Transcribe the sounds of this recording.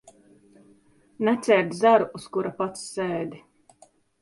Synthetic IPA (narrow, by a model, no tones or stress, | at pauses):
nɛt̪sʲɛɾd̪zaɾuːskuɾapat̪sːɛːd̪ʲi